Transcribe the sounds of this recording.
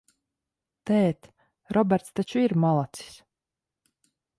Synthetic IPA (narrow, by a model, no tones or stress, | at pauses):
t̪ɛːt̪ | ɾɔbɛɾt̪st̪at͡ʃuiɾmalˠat̪si̥s